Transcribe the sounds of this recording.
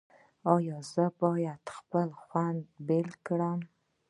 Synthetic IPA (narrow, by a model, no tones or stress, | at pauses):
ɑjɑzəbɑjad̪xpəlxwand̪belkɽəm